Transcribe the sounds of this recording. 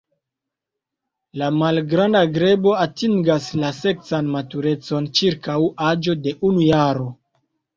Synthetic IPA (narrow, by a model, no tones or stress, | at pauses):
lamalɡɾandaɡɾe̞bo̞atiŋɡaslase̞ksanmatuɾe̞t͡so̞nt͡ʃiɾkawad͡ʒo̞de̞ʔunujaɾo̞